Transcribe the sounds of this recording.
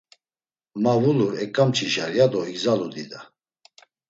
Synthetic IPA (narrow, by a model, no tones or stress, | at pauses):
mavuluɾɛkʼamt͡ʃʰiʃaɾijad̪ɔiɡzalud̪id̪a